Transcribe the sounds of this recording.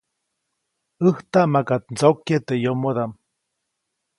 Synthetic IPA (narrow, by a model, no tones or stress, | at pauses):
ɨht̪aʔmakat̪̚nd͡zokjet̪ejomod̪am